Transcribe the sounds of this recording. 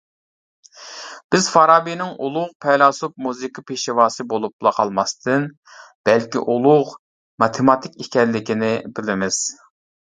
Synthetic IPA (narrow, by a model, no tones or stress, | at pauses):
b̥ɪzfɑɾɑːbinɪŋulˠʊʁpʰɛlˠɑsup̚muzɨkʰɨpʰeʃiwɑːsɨbolˠuplˠɑqʰɑlˠmɑst̪ʰɨn | b̥ɛlkʲḭʔulˠʊʁ | mɑt̪ʰɪmɑt̪ʰɪkʲikʲɛnlːɪkʲinɪbɪlɪmɪz̥